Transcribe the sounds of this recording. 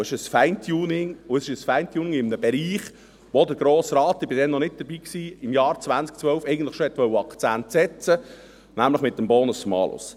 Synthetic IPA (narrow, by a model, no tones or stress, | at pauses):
ɪʃəsfæɪntʰjuːnɪŋʊəsɪʃəsfæɪnt̪juːnɪŋɪmənəbɛɾiːχ | ʋod̪əɾɡ̥ɾoːsɾɑːt̪ːɪb̥ɪdɛnːɔnɪt̚d̥̪əɾbiːksiːɪmjɑːɾt͡svænt͡sk̚t͡sʋœlfɛɪɡən̩tləχʃohɛt̪ʋœwːəɑkt͡sænt̪sɛt͡sə | næmləχmɪt̪̚ːəmbɔːnʊsmɑ̰ːlʊ̰s